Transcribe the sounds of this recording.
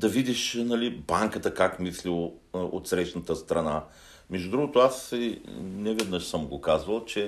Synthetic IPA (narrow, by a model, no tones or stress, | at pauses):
d̪ɐvid̪iʃnɐlibaŋkət̪əkakmislio̰t̪sɾɛʃt̪nət̪əst̪ɾɐna | mɛʒd̪ud̪ɾuɡot̪ʊasinɛvɛd̪nəʃsəmɡokazvəlˠt͡ʃɛ